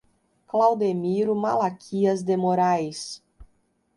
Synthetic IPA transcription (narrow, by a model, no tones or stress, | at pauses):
klawd̪emiɾʊmalakʰiɐzd̪emoɾajs